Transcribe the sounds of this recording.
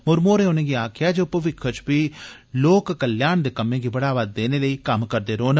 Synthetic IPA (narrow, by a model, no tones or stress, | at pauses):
mʊɾmoːɾẽːʊnẽːɡiːaːkʰjaːd͡ʒoːpəʋɪkʰːət͡ʃpiː | loːkːəljaːnd̪eːkəmẽːɡiːbəɽaːʋaːd̪ːeːneːləiːkəmkəɾd̪eːɾoːn